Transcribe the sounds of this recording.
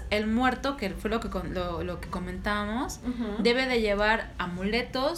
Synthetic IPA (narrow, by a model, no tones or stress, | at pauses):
e̞lmwe̞ɾt̪o̞kefwe̞lo̞kekololoke̞ko̞mẽnt̪aβamo̞sd̪e̞β̞e̞ðe̞ʝe̞β̞aɾamule̞t̪o̞